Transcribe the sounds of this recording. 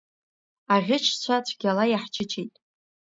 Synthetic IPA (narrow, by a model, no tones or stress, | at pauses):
aʁʲɪt͡ʃʰt͡ɕʷʰat͡ɕʷʰɡʲalajaħt͡ʃʰɪt͡ʃʰejtʼ